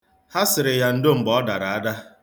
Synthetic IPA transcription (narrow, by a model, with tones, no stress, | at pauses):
ha˦sɪ˨ɾɪ˨ja˨n̩˦do˦m̩˨bɔ˦da˨ɾa˨a˦da˦